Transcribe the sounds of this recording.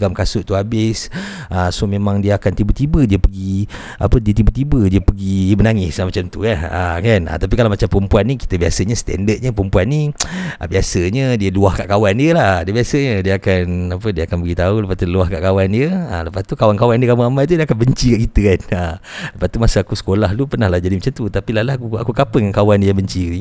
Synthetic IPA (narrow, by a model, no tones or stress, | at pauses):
ɡamkasʊʔt̪uabɪs | ʔəsomẽmãŋdiəakant̪ibət̪ibədiəpəɡi | ʔa̰pədiət̪ibət̪ibədiəpəɡimənaŋɪsmat͡ʃamt̪ṵkana̰kana̰t̪ap̬ikalawmat͡ʃampəɾəmpuanːiki̥t̪əbiasəɲəsə̥t̪ɛ̰ndət̪̚ɲəpəɾəmpuanːiʔə̰biasəɲədiəluahka̰ʔkawandiəlahdiəbiasəɲədiəakanapədiəakanbəɡit̪auləpat̪uluahka̰ʔkawandiəa̰ləpat̪ukawankawandiəkaməamaʔt̪̬udiəakanbəɲt͡ʃikaʔkit̪əkanaləpast̪umasəakusə̥kolahlupərnahlahd͡ʒadimat͡ʃamt̪ut̪apilalahkua̰kukapəŋankawandiəbəɲt͡ʃii